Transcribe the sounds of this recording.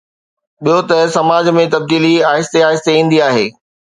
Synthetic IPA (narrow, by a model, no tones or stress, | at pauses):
ɓijot̪ɐsɐmaːd͡ʑmẽt̪ɐb̚d̪iːliaːɦɪst̪eaːɦɪst̪eĩːn̆d̪iaːɦḛː